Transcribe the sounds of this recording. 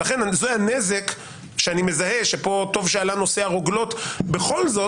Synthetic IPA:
aχe̞nazoanezek | ʃeanimezahe̞ʃepo̞to̞vʃealano̞se̞aʁoɡlo̞t̪be̞χo̞lzo̞

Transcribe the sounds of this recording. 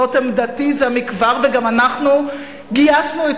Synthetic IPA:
othemd̪at̪izamikvaʁveɡamanaχnu | ɡijasnue

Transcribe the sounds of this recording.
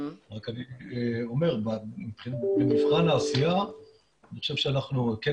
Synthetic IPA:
ʁakanieo̞me̞ʁbamipχinbemifχanaːsija | niχoʃevʃeanaχnuke

